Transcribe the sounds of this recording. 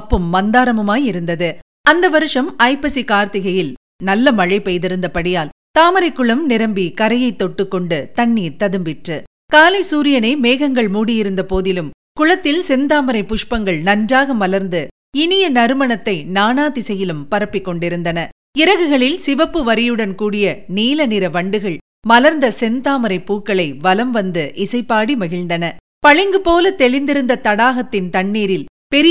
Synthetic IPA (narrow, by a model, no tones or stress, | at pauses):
pːɯmːɐnd̪aːɾɐmɐmaːjɪɾɯnd̪ɐðɯ | ɐnd̪ɐʋɐɾɯʂɐmɐɪpɐsikaːɾt̪ɪɣɐjɪl | nɐlːɐmɐɻɐɪpɛjðɪɾɯnd̪ɐpɐɽɪjaːl | t̪aːmɐɾɐɪkːɯɭɐmnɪɾɐmbikɐɾɐjɐɪt̪ːɔʈːɯkːɔɳɖɯt̪ɐɳːiːɾt̪ɐðɯmbɪʈrɯ | kaːlɐɪsuːɾɪjɐnɐmeːɣɐŋɡɐɭmuːɽɪjɪɾɯnd̪ɐpoːðɪlɯm | kʊɻɐt̪ːɪlsɛnd̪aːmɐɾɐɪpːʊʂpɐŋɡɐɭnɐnd͡ʒraːɣɐmʋɐlɐɾnd̪ɯ | ɪnɪjɐnɐɾɯmɐɳɐt̪ːɐɪnaːnaːt̪ɪsɛjːɪlɯmpɐɾɐpːɪkːɔɳɖɪɾɯnd̪ɐnɐ | ɪɾɐɣɯɣɐɭɪlsɪʋɐpːɯʋɐɾɪjɯɽɐnkuːɽɪjɐniːlɐnɪɾɐʋɐɳɖɯɣɐɭ | mɐlɐɾnd̪ɐsɛnd̪aːmɐɾɐɪpːuːkːɐɭɐɪʋɐlɐmʋɐnd̪ɯʔɪsɐɪpːaːɽimɐɣɪɻnd̪ɐnɐ | pɐɻɪŋɡɯpoːlɐt̪ɛɭɪnd̪ɪɾɯnd̪ɐt̪ɐɽaːɣɐt̪ːɪnt̪ɐɳːiːɾɪl | pɛɾɪ